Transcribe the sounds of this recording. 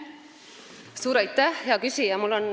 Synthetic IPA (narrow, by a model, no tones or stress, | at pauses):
suːɾɑjt̪ːæhjɑɡysijɑmulon